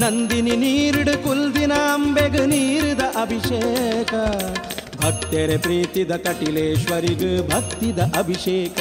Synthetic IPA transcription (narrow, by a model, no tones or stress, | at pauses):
nɐnd̪ininiːɾɽukuld̪inɐɐmbeɡɯniːɾud̪ɐʔɐbʱiʃeːkɐ | bʱɐk̚t̪eɾepɾiːt̪id̪ɐkɐʈileːʃʋɐɾiɡɯbʱɐk̚t̪id̪ɐʔɐbʱiʃeːkɐ